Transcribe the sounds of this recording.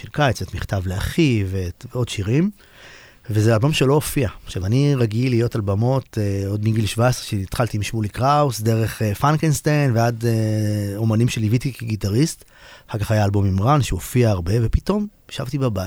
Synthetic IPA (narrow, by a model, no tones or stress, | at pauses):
ʃelkait͡setmiχtavleaχiveveo̞dʃiʁim | vezealbo̞mʃelo̞ofiaʃavaniʁaɡiliːjo̞talbamo̞teo̞dmiɡilʃvaesʁeʃenit̪χalt̪imʃmulikʁausd̪e̞ʁeχefankenst̪ejnvead̪eo̞manimʃelivit̪ikiɡitaʁist | χalkaχajaːlbo̞mimʁanʃeofiaːʁbe̞vepito̞mʃavtibaba